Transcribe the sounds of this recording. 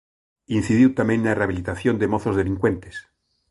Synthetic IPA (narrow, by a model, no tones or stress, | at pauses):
in̟θiðiwt̪amẽnnaeraβilit̪aθjond̪emoθozðe̞liŋkwent̪es